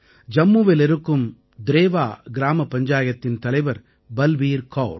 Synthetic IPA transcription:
d͡ʒɐmːuːʋɪlɛɾɯkːɯm | d̪ɪɾeːʋaːɡɪɾaːmɐpːɐɲd͡ʒaːjɐt̪ːɪnt̪ɐlɐɪʋɐɾ | bɐlʋiːɾkoːɾ

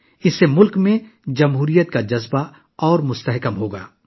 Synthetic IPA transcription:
ɪsːemʊlkmẽd͡ʒɐmɦuːɾijət̪kad͡ʒɐzba | ɔːɾmʊst̪əɦkəmɦoːɡa̰ː

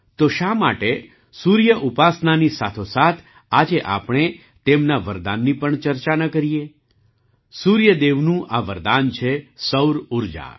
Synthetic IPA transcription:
t̪oʃama̰ʈe | suɾjəʔupasnanisat̪ʰosat̪ʰ | ad͡ʒeʔa̰pɳ̃e | t̪emnaʋəɾd̪anːipəɳt͡ʃəɾt͡ʃanəkəɾije | suɾjəd̪eʋnũʔaʋəɾd̪ant͡ʃʰesəwɾuɾd͡ʒa̰

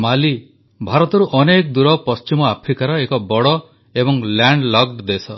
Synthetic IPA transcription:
mali | bʱaɾɔt̪ɔɾuʔɔnekd̪uɾɔpɔst͡ʃimɔapʰɾikaɾɔekɔbɔɽɔ | ebɔŋlaɳɖlɔɡ̚ɖd̪esɔ

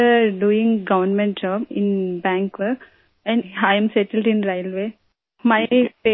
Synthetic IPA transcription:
əɖuːĩŋɡɐʋənmɛ̃ɳʈ̚d͡ʒɔːbɪ̃nbæ̃ːŋkʋə | ɛ̃nhajə̃msɛʈəlɖĩnɾajlʋeː | maɪpe

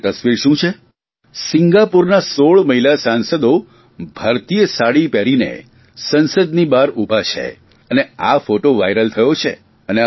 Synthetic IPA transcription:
t̪əsʋiɾʃũt͡ʃʰe | sɪŋɡapuɾnasoɭməɦilasãnsəd̪o | bʱəɾt̪ijəsaɽipɛɾinḛ | sənsəd̪nibaɾubʱat͡ʃʰḛ | əneafoʈoʋa̰iɾəlt̪ʰəjot͡ʃʰḛ | əne

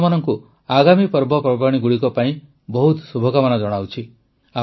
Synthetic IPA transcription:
manɔŋku | aɡamipɔɾbʱɔpɾɔbaɽ̃iɡuɽikɔpaĩ | bɔɦut̪subʱɔkamanɔd͡ʒɔɽ̃awt͡ʃʰi | a

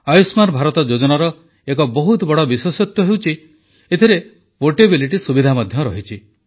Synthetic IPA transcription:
ajusmanbʱaɾɔt̪ɔd͡ʒod͡ʒɔnaɾɔ | ek̬ɔbɔɦut̪ɔbɔɽɔbiswosɔt̪jɔɦewt͡ʃʰi | et̪ʰiɾe | poʈebiliʈisubid̪ʱamad̪ʱjɔɾɔɦit͡ʃʰi

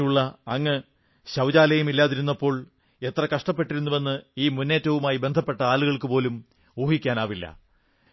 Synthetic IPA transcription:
uɭːɐːŋːɐ | ɕɐwd͡ʑaːlɐjumilːaːðiɾunːɐpːo̞ːɭ | e̞t̪rɐkɐʂʈɐpːe̞ʈːiɾunːuʋe̞nːɨiːmunːe̞ːtːɐʋumaːjibe̞nd̪ʱɐpːe̞ʈːɐaːluɣɐɭkɨpo̞ːlum | uːɦikʲːaːnaːʋilːɐ̰

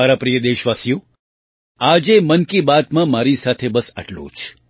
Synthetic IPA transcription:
aɾapɾijəd̪eʃʋasijõ | ad͡ʒemənkibat̪mãmaɾisat̪ʰebəsə̰ʈlṵ̃t͡ʃʰ

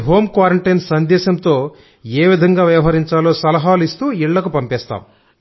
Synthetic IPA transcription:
ɦo̞ːmkʋaːɾɐɳʈɐjnsɐnd̪ɛːsɐmt̪o̞ː | eːʋid̪ʱɐŋɡaːʋjɐʋɐɦɐɾiɲt͡ʃaːloːsɐlɐɦaːluist̪uːiɭːɐkupɐmpɛːst̪a̰ːm

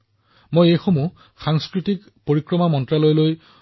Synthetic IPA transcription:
mojejxomu | xaŋskɹitik | poɹikɹɔmamɔntɹalojloj

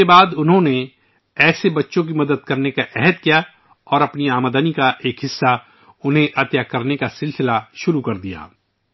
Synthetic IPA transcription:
ebaːd̪ʊnɦõne | ɛːsebɐtːʃõk̬imɐd̪əd̪̚kɐɾnekaʔɛɦɛd̪̚kija | ɔːɾɐpniaːmːd̪anikaʔeːkɦɪsːa | ʊnɦẽʔɐt̪jakɐɾnekasɪlsɪlaʃʊɾukɐɾd̪ija̰ː

